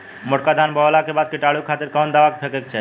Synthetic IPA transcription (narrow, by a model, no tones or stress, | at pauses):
moʈkad̪ʱanbɔlakebad̪̚keʈaɭukʰat̪eɾkawnd̪awakefʰekekt͡ɕʰe